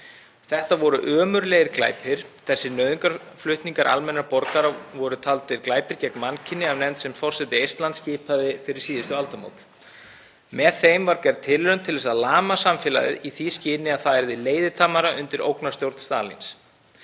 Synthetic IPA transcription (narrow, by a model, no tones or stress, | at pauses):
θɛht̪avɔɾʏʔœːmʏɾlɛɣɪɾkla̰ːjpʰɪɾ̥θɛsːɪnœːðʏŋkaɾflʏht̪niŋkaɾʔa̰lmɛnːaɾpɔɾkaɾavɔɾʏt̪ʰalt̪ɪɾklaːjpɪɾcɛknmancʰɪnːɪavnɛmt̪sɛmfɔr̥sɛt̪ːɪejrst̪lant̪scɪːpʰaðɪfɪɾɪɾ̥siːðɪst̪ʏalt̪amo̰wt̪ | mɛðθejmvaɾcɛɾðt̪ʰɪlːɾœnt̪ʰɪlɛsaðlaːmasamfɪːla̰ðɪ̰ðiθiscɪːnɪaðθaɛɾðɪleːjðɪt̪ʰaːmaɾaʔʏnt̪ɪɾo̰wknḁst̪jowɾt̪st̪a̰ːlḭns